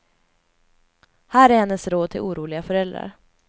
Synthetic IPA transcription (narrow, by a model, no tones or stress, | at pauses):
hæːɾæɾhɛnːəsɾoːd̪̚t̪ʰɪlʔuːɾuːlɪɡafœɾɛld̪ɾa̰ɾ